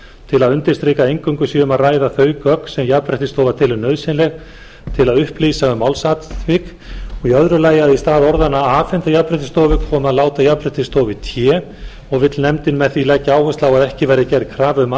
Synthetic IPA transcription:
t̪ʰɪlaðʏnt̪ɪ̥st̪ɾɪːkaejŋkʏŋkʏsiʏmaðraːjðaθœːɥkœk̪sɛmjapɾɛht̪ɪst̪oːwvat̪ʰɪlnœɥðsɪnlɛɣ | t̪ʰɪlaðʏhplisaʏmawlsat̪vɪk | ɔɣiœðɾʏlaːjɪaðist̪aːðɔɾðanaaːfɛnt̪ajapɾɛht̪ɪ̥st̪oːwvɪkʰɔːmaðlaːwt̪ajapɾɛht̪ɪst̪oːwvɪt̪ʰjɛː | ɔɣvɪt̪lnɛmt̪ɪnmɛðθilɛcːaaːwhœst̪lawaðɛhcɪvɛːjɾɪcɛɾkʰɾaːvʏma

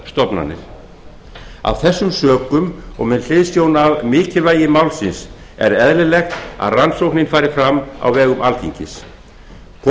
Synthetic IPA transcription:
st̪ɔpna̰nːɪ̰ɾ̥ | a̰wθɛsːʏmsœːkʏmɔ̰ɣmɛðl̥ɪðsjownavmɪːcɪlvaːjɪmaːwlsɪns | ɛ̰ɾɛðlɪlɛxt̪a̰ðransowknɪnfaːɾɪfɾamːa̰wvɛːɣʏmʔalt̪ʰḭɲcɪ̰s | kʰ

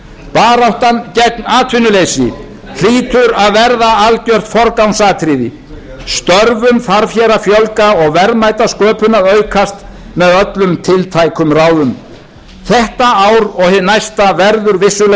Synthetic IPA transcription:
paːɾawht̪ancɛt̪̚naːt̪ʰvɪnʏlejsɪ̰ | l̥iːt̪ʏɾaðvɛɾðaalcœr̥t̪fɔɾkawnsaːt̪ʰɾiːðɪ | st̪œɾvʏmθaɾfjɛːɾafjɔlkaɔɣvɛɾmajt̪askœːpʏnaðœɥkʰast̪ | mɛðœt̪lʏmt̪ʰɪlt̪ʰajkʰʏmraːwðʏm | θɛht̪aawɾɔɣhɪnajst̪avɛɾðʏɾvɪsːʏl

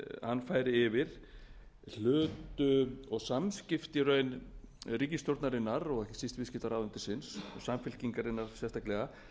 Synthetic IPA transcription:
hanːfaːjɾɪɪvɪɾ̥ | l̥ʏːt̪ʏɔɣsamscɪft̪ɪɾœɥn | riːcɪst̪jowɾt̪naɾɪnːaɾɔɣɛhcɪ̥sist̪vɪscɪft̪aɾaːwvʏnt̪ɪsɪnssamfɪl̥ciŋkaɾɪnːaɾ̥sjɛst̪aklɛɣa

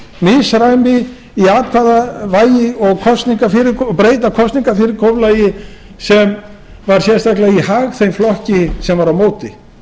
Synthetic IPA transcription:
misɾajmɪ | iaːt̪̚kʰaðavaːjɪɔɣkʰɔst̪niŋkafɪɾɪɾkʰpɾeːjt̪akʰɔst̪niŋkaɾfɪɾɪɾkʰowvlajɪ | sɛm | vaɾ̥sjɛ̥st̪aklaɣihaːɣθejmflɔhcɪsɛmvaɾawmoːwt̪ɪ

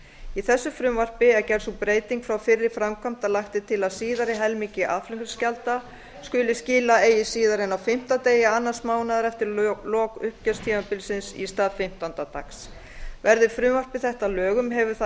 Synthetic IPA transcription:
iθɛsːʏfɾʏmvar̥pɪɛcɛɾsupɾeːjt̪iŋkfɾawfɪrːɪ̥fɾamkʰam̥t̪alaxt̪ɪt̪ʰɪlaðsiːðaɾɪɦɛlmiŋcɪʔa̰ðflʏŋkʏscalt̪a | skʏːlɪsciːlaeːjɪsiːðaɾɪnawfɪm̥t̪at̪eːjɪanːḁsmaːwnaðaɾɛft̪ɪɾlɔːkʏhp̚cœst̪ʰiːmapɪlsɪnsḭst̪aːðfɪm̥t̪ant̪at̪a̰ks | vɛɾðɪ̥fɾʏmvar̥pɪθɛht̪alœːɣʏmɦɛvʏ̥θa

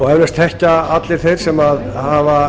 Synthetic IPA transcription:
ɔɣɛvɾast̪θɛhcaat̪lɪɾ̥θejɾ̥sɛmað | hava

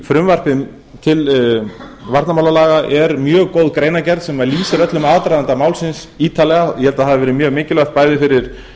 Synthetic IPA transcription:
fɾʏmvar̥pɪ | t̪ʰɪl | vaɾt̪namawlalaːɣaʔɛɾmjœːɣkoːwðkɾeːjnacɛɾðsɛmaliːsɪɾœt̪lʏmaːðt̪ɾajðant̪amawlsɪns | iːt̪alɛɣajɛhɛlt̪aðɦaðɪvɛːɾɪmjœːɣmecɪlœxt̪̚paːjðɪfɪɾɪɾ̥

